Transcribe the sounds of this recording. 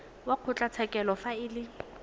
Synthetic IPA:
waq͡χʰʊt͡ɬʼat͡sʰɛkʼɛlɔfaɪːlɪ

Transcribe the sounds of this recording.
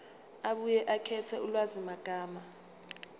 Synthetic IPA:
aɓujɛʔakʰɛtʰɛulwazimaɡ̥ʱaːma

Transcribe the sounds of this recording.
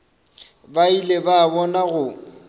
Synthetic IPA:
bailebaːbɔnaɣʊ

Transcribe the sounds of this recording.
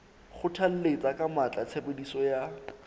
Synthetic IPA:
χʊtʰal̩let͡sakʼamat͡ɬʼat͡sʰebedisɔja

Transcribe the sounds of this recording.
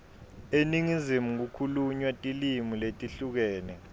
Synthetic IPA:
eniŋizimuk̬ukʰuluɲwatʼilimuletʼiɬuk̬ɛːnɛ

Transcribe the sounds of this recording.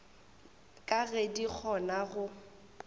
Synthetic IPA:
kʼaɣedik͡xʰɔnaɣʊ

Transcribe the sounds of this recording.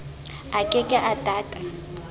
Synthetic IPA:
akʼɪkʼɪʔatʼaːtʼḁ

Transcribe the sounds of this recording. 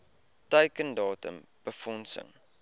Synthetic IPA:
təɥkəndɑːtə̰m | b̥əfɔnsə̰ŋ

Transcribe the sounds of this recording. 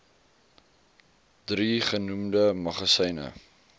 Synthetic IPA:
d̥riχənumdəmɐχɐsɛjnə̰

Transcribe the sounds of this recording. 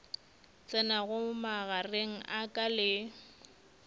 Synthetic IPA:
t͡sʼɪnaɣʊmaɣareŋ̩ʔakʼalɪ

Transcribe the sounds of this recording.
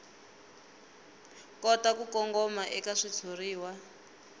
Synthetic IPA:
kɔtakukɔŋɡɔmaʔɛkaʂit͡sʰoriːwa

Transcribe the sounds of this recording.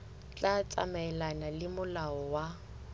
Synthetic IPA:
t͡ɬʼat͡sʼa̰mɛɛlanalɪmʊlaɔwa

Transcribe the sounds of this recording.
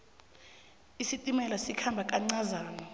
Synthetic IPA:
isitʼimɛlasikʰambʱakʼaŋ͡ǀazaːnɔ

